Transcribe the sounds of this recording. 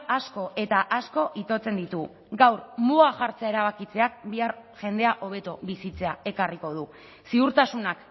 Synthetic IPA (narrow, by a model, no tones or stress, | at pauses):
asko̞ʔe̞t̪aʔasko̞ʔit̪o̞t͡se̞nd̪it̪u | ɡawɾmuaʝaɾt͡se̞aeɾaβ̞akit͡se̞ak̚biaɾʝe̞nd̪e̞aʔo̞β̞e̞t̪oβisit͡se̞ae̞kariko̞ð̞u | siuɾt̪asunak